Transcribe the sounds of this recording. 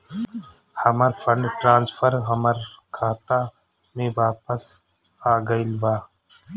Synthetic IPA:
hɐməɾfʰəɳɖʈɾãːnsfʰəɾɦɐməɾkʰaːt̪a | mẽʋaːpəs | aːɡəilʋaː

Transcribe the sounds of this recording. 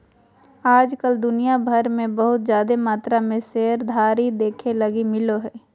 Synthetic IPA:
aːd͡ʒkəld̪ʊnijabʱəɾmẽbəɦʊt̪̚zjaːd̪emaːt̪ɾamẽseɦɾd̪ʱaːɾid̪eːkʰeləɡimɪloɦɛː

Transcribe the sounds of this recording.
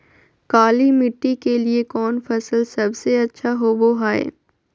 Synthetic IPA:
kaːlimɪʈːikeliekɔːnfɐsəlsɐbseɐtːʃʰaɦoboɦaːḛː

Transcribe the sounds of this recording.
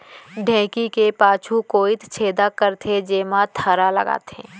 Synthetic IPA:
ɖʱɛ̃ːkikepaːt͡ʃʰukoːɪt̪t͡ʃʰeːd̪akəɾt̪ʰed͡ʒeːmat̪ʰəɾalə̰ɡa̰ːt̪ḛ̃ː

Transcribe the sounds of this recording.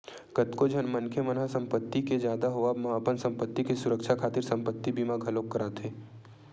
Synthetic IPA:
kət̪kod͡ʒʱənmɐnkʰemənasɐ̃mpət̪ːiked͡ʒjaːd̪aɦoabmɐɦaːpənsə̃mpət̪ːikesʊɾəkʃʰakʰaːt̪ɪɾsɐ̃mpət̪ːibimaɡʱɐloːkːəɾaːt̪ʰeː

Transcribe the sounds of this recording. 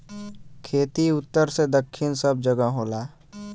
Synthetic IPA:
kʰeːt̪iʊt̪ːəɾsed̪əkʰːɪnsəb̚d͡ʒəɡəɦoːlaː

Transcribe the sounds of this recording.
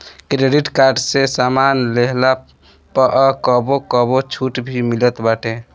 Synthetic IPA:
kɾeɖiʈkaɾɖsesamanleɦla | pəʔəkəbokɔbot͡ʃʰuʈbʱimilət̪baʈe

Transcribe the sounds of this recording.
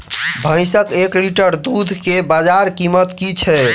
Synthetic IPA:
bʱə̃ɪsəkekliʈəɾd̪ud̪ʱkebad͡ʒaɾkimət̪kit͡ʃʰɛ

